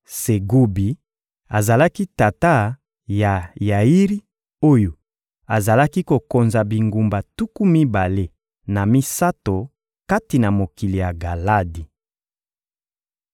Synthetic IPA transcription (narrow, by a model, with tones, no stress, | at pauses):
se˨ɡu˦bi˨ | a˨za˨la˦ki˦ta˨ta˦ | ja˨ja˨i˦ʁi˦ | o˦jo˨ | a˨za˨la˦ki˦ko˨ko˨nza˨bi˨ŋɡu˨mba˨tu˦ku˦mi˦ba˨le˦ | na˨mi˦sa˦to˨ | ka˦ti˨na˨mo˨ki˨li˨ja˨ɡa˨la˦di˨